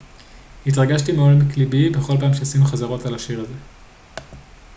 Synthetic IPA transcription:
hitʁaɡaʃtimeolenklibibe̞χo̞lpaːmʃeasimuχazaʁo̞talaʃiʁaze̞

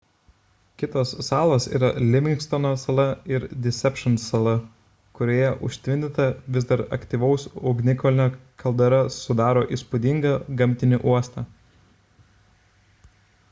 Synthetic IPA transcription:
kʲɪt̪oːsːɑːlˠoːsḭːɾɐlʲɪʋʲɪŋkst̪ɔnoːsɐlˠɐɪɾd̪ʲɪsʲɛpʲʃɐnsɐlˠɐ | kʊɾʲoːjɛʔʊʃʲt̪ʲʋʲɪnʲd̪ʲɪt̪ɐʋʲɪzd̪ɐɾɐ̰kt̪ʲiːʋɐʊsʊɡnʲɪkɔlʲɪnʲɛkʰɐlˠd̪ɐɾɐsʊd̪ɑːɾoːʔiˑspʊd̪ʲɪŋɡɐɡɐmʲt̪ʲɪnʲɪʔuɔst̪ɑː

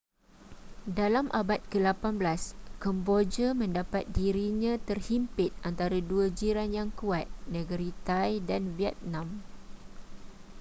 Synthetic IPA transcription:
dalamʔabat̪̚kəlapanblaskɔmbod͡ʒamə̃ndapat̪̚diɾiɲãt̪ərhimpɪt̪̚ant̪aɾaduad͡ʒiɾanjaŋkuat̪̚nə̃ɡəɾit̪ajdanviɛt̪̚nãm

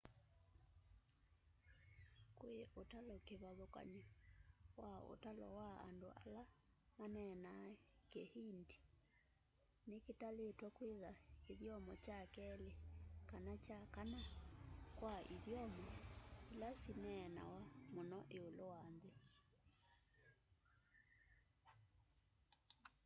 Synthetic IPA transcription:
kweʔotalɔkeβaðokwa̰ɲi | wao̰talɔ̰waa̰ndo̰ala | manɛnakehindi̥ | neketaletwakweðakeðjɔmɔt͡ʃakɛlekanat͡ʃakana | kwaʔiðjɔmɔilasinɛna̰wamonɔʔeolowanðe

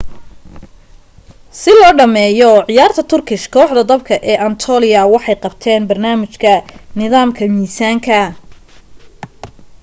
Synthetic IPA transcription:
sɪlɔːɖɐmɛːjɔʕɪjaːrt̪ʰɐt̪ʰʊrkʰɪʃkʰɔːħd̪ɐd̪ɐbkʰɐʔɛːʔɐnt̪ʰɔːlɪjɐwɑħɑjqɑbt̪ʰɛːnbɐrnaːmɪt͡ʃkʰɐnɪðaːmkʰɐmiːsaːŋkʰɐ

